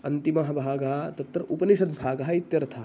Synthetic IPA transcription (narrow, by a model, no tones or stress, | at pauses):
ɐnt̪imɐɦɐbʱaːɡɐɦɐt̪ɐt̪ɾɐʔupɐniʃɐt̪bʱaːɡɐɦɐit̪jɐɾɐt̪ʰa